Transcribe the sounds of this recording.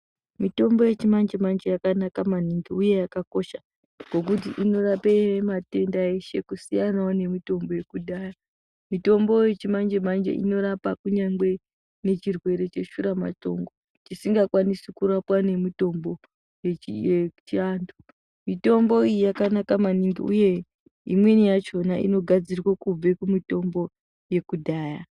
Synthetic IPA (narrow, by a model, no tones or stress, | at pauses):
mito̞mbo̞je̞t͡ʃimand͡ʒemand͡ʒejakanakamaniŋɡiuje̞jakako̞ʃa | ŋɡo̞k̬ut̬iʔino̞rapemate̞ndaeʃe̞kusijanawone̞mito̞mbo̞je̞kuɗaːja | mito̞mbo̞je̞t͡ʃimand͡ʒemand͡ʒḛʔḭno̞ɾapakuɲaŋɡwe̞ | ne̞t͡ʃirwe̞ɾe̞t͡ʃe̞ʃuɾama̰to̞̰ŋɡo | t͡ʃisiŋɡakwanisikuɾapwane̞mito̞mbo̞ | jejet͡ʃiandu | mito̞mbo̞ijijakanakamaniŋɡḭuje̞ | imwe̞nijat͡ʃo̞naʔḭno̞ɡʱad͡zirwakub͡vekumito̞mbo̞ | je̞kudʱaːja